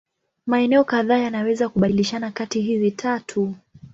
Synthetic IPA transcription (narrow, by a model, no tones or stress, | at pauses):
maɛnɛɔkaðaːjanawɛzakuɓailiʃanakatiɦizitʰatʰu